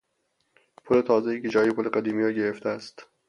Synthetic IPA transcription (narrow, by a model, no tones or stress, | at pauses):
pʰole̞t̪ʰɒːzejiːked͡ʒɒːjepʰoleɡæd̪iːmiːɾɒːɟe̞ɾeft̪ʰeæst̪